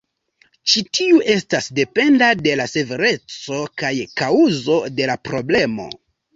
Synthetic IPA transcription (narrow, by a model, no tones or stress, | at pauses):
t͡ʃitiuʔe̞stasde̞pe̞ndade̞lase̞ve̞ɾe̞t͡so̞kajkauzo̞de̞lapɾo̞ble̞mo̞̰